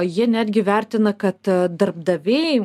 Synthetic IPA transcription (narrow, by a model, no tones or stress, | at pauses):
jiɛnʲæːd̪ʲɡʲɪʋʲærʲt̪ʲɪnɐkɐt̪d̪ɐrb̚d̪ɐʋʲeːjɪ